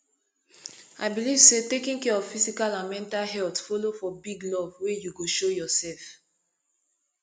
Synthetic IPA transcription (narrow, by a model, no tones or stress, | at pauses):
aɪbiliv̥setekĩŋkɛɹɔv̥fizikalãnmɛ̃ntalɦɛltfɔlofɔbiɡlɔvwejuɡoʃojɔsɛlf